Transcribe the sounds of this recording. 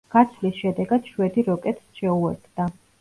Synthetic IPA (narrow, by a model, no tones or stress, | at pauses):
ɡ̥at̪sʰlisʃɛd̪ɛɡad̪̥ʃwɛd̪iɾɔkʼɛt̪ʰsʃɛuɛ̰ɾt̪ʰd̪a